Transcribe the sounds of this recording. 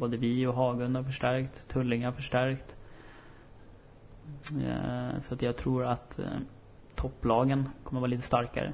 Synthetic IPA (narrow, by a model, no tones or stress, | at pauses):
boːd̪əvɪɔɦɑːɡɵnd̪aɾfœʂʈæɾkt̪ʰːɵlːɪŋaɾfœʂʈæɾkt̪ | sɔat̪jɑːɡt̪ʰɾuːɾat̪ | t̪ʰːɔpːlɑːɡənkʰɔmːəɾɑːɾliːt̪əst̪aɾka̰ɾə̰